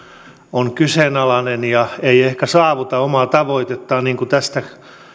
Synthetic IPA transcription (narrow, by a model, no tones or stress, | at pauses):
oŋkysenɑlɑnenjɑeiehkæsɑːʋut̪ɑomɑt̪ɑʋoit̪et̪ːɑːniːŋkut̪æst̪æ